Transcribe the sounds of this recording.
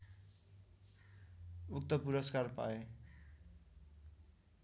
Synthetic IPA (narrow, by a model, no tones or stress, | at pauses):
uk̚t̪ʌpuɾʌskarpa̰e